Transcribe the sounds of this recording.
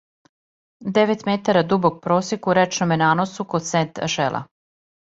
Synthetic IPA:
d̪eʋet̪met̪aɾad̪ubok̚pɾoːsjekuɾɛt͡ʃnomenaːnosukod̪sent̪ʒelˠʔa̰

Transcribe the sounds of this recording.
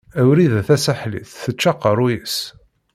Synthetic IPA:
æwɾiðæθæsæħlḭθθət͡ʃːɑqəɾˤujəs

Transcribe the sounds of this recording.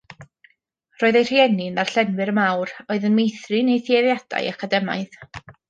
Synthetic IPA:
roːɨðejr̥jɛnɪnar̥ɬɛnwɨɾəmawroɨðənmejθrɨnejθjeðjad̥a̰jakʰadɛma̰ɨð

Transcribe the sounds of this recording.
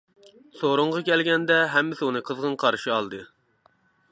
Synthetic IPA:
soɾʊɴʁɑkʲʰɛlɡʲɛnd̪ɛɦɛmːɪsɪunɨqʰəzʁənqʰɑɾʃiɑlˠd̪ɨ

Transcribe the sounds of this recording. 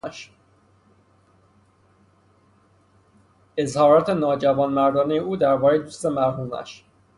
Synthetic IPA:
ʃ | ezhɒːɾɒːt̪ʰe̞nɒːd͡ʒævɒːnmæɾd̪ɒːnejeʔuːd̪æɾbɒːɾejed̪uːst̪emæɾɦuːmæ̰ʃ

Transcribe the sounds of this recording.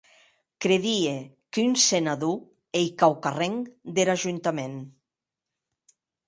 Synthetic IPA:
kɾeðiekynsenaðu | ejkawkareŋd̪eɾaʒunt̪amen

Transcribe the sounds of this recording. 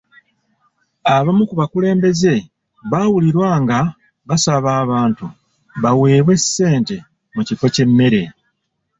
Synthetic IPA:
aβamukuβakule̞ːmbe̞ze̞ | βaːwuliɾwaːŋɡa | βasaβaːβaːntu | βawe̞ːβwe̞sːe̞ːnte̞ | mucifo̞ce̞mːe̞ɾe̞

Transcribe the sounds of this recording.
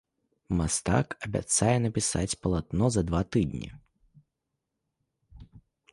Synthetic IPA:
mast̪a̰kɐbʲa̰t̪sajɛnɐpʲisa̰t͡sʲpɐlˠat̪nɔzɐd̪vat̪ɨd̪nʲḭ

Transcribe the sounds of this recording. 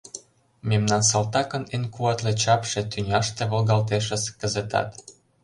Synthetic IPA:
memnɑnsɑlt̪ɑkɤ̆nenʲkuɑt̪lĕt͡ɕɑpʃĕt̪ynʲɑʃt̪ĕβolɣɑlt̪eʃə̆skə̆zĕt̪ɑ̰t̪

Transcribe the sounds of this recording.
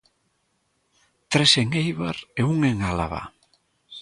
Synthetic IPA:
t̪ɾeseŋejβa̰ɾeuŋeŋala̰βa̰

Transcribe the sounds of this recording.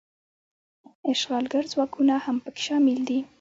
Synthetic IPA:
ɪʃɣɑlɡaɾzwɑkʰunahampəkɪ̥ʃɑmɪld̪i

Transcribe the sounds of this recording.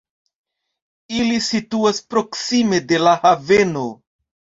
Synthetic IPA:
ilisituaspɾo̞ksime̞de̞lahave̞no̞

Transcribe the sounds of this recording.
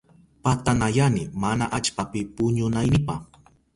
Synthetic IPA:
pat̪anajanɪmanaʔat͡ʃpapɪpʊɲʊnajnɪpa̰χ

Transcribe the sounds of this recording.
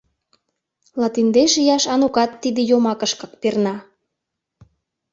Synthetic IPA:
lɑt̪ind̪eʃijɑʃɑnukɑt̪ːid̪ĕjomɑkəʃkɤk̚pernɑ

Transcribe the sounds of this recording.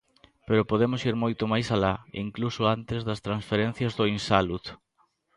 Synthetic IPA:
peɾʊpoð̞emʊsiɾmojt̪omajsalaḭŋklusoant̪ɪzðɐst̪ɾansfeɾen̟θjɐzðʊinsalut̪

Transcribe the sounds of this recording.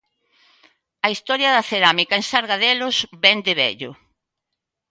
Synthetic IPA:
ɐist̪ɔɾjɐðɐθeɾamikɐensaɾɣaðɛlʊzbɛnd̪ɪβɛ̰ʎʊ

